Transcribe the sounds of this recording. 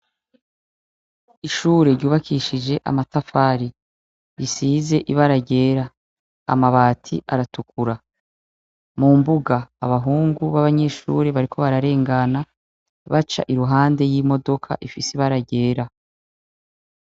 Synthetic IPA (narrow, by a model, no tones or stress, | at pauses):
iʃuːɾe̞ɾɟuːβakʰiːʃid͡ʒe̞ʔa̰matafaːɾi | ɾisiːze̞ʔiβaɾaɟe̞ːɾa | a̰maβaːtʰḭʔaɾatukuɾa | mumbuɡaːβaɦuːŋɡuβaβaɲe̞ʃṵɾe̞βaɾikʰo̞βaɾaɾe̞ːŋɡana | βat͡ʃa̰ʔiɾuɦaːnde̞jimo̞do̞kʰa̰ʔifisiβaɾaɟe̞ːɾa